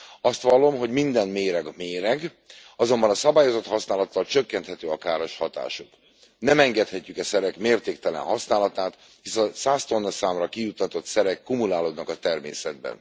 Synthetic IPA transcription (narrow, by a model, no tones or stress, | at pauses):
ɒst̪ʋɒlːo̞mɦo̞ɟmind̪ɛnmeːɾɛɡmeːɾɛɡ | ɒzo̞mbɒnɒsɒbaːjo̞zo̞t̪hɒsnaːlɒt̪ːɒlt͡ʃøkːɛnt̪hɛt̪øːɒkaːɾoʃhɒt̪a̰ːʃuk | nɛmɛŋɡɛt̪hɛcːykɛsɛɾɛkmeːrt̪eːkt̪ɛlɛ̰nɦɒsnaːlɒt̪aːt̪ | hisɛsaːst̪o̞nːɒsaːmrɒkijut̪ːɒt̪o̞t̪sɛɾɛkːumulaːloːd̪nɒkɒt̪ɛrmḛːsɛd̪̚bɛ̰n